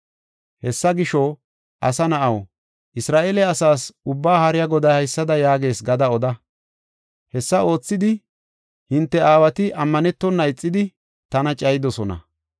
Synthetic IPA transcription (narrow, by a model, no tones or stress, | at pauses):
hɛsːɐɡɪʃɔ | ʔɐsɐnɐʔɐw | ʔɪsɾaːʔeːlɛɐsaːsʊbːaːhɐɾɪjɐɡɔd̪ɐjhɐjsːɐd̪ɐjaːɡe̞ːsɡɐd̪ɐɔd̪ɐ | hɛsːɐo̞ːt͡sːɪd̪ɪ | hɪnt̪ːɛaːwɐt̪ɪʔɐmːɐnɛt̪ːɔnːɐɪt͡sʼːɪd̪ɪ | t̪ɐnɐt͡ʃʼɐjɪd̪ɔsɔnɐ̰